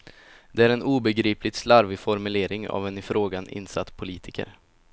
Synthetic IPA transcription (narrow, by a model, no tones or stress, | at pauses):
d̪̥ɛæːɾɛnuːbɛɡɾiːplɪɡslaɾvɪfɔɾmɵleːɾɪŋa̰vɛnɪfɾoːɡanɪ̰nsat̪ːpʰʊliːt̪ʰɪkə̰ɾ